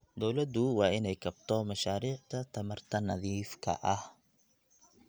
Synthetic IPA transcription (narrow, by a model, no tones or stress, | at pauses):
d̪ɔwlɐd̪ʊwɑːɪnɛjkʰɐbt̪ʰɔmɐʃaːɾiːʕt̪ʰɐt̪ʰɐmɐrt̪ʰɐnɐðiːfkʰɐ̰ʔɐh